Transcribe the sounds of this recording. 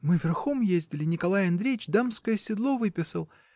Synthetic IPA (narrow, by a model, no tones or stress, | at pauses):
mɨvʲɪrxomjezʲdʲɪlʲɪnʲɪkɐlˠajɐnd̪ɾʲejɪt͡ɕd̪amskəjəsʲɪd̪lˠovɨpʲɪsəlˠ